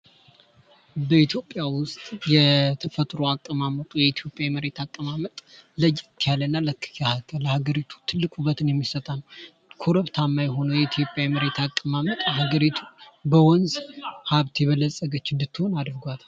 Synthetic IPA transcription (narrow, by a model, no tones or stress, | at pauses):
bəit̪ʰjo̞pʼːjawʊst̪ʼjɛt̪ʰəfət̪ʼɾoakʼːəmamət̪ʼujɛit̪ʰjo̞pʼjaməɾe̞t̪ʰakʼːəmamət̪ʼləjkʰːjalːənːaləkʰːɨ̥kahakʰːələhaɡəɾit̪ʰu̥t̪ʰɨlːɨkʼubət̪ɨnjɛmːisət̪ʼanːəw | kʰoɾəβt̪ʰamːajɛɦo̞nəwjɛit̪ʰjo̞pʼjajməɾe̞t̪ʰakʼːəmamət̪ʼhaɡəɾit̪ʰubəwɔnzhaβt̪jɛβəlːəsʼəɡət͡ʃːɪnd̪ɨt̪ːɨho̞nad̪ɨɾɡʷat̪